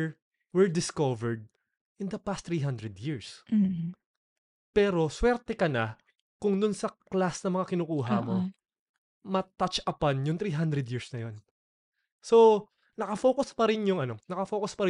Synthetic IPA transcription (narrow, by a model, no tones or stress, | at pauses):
wɪɹd̪ɪskovɛɹd̪̚ | ʔɪnd̪ɐpast̪ːɾiːɦand̪ɾɛd̪jiɹs | pɛːɾo̞swɛɾt̪ɛkɐnɐ | kʊŋd̪ʊnsɐklasnɐmɐŋakɪnuːkuːɦɐmo̞ | mɐt̪ɐt͡ʃɐpanjʊŋt̪ɾiːɦand̪ɾɛd̪jiɹsnɐjo̞n | so̞ | nɐkɐfo̞ːkʊspɐɾɪnjʊŋɐno̞nɐkɐfoːkʊspɐɾɪ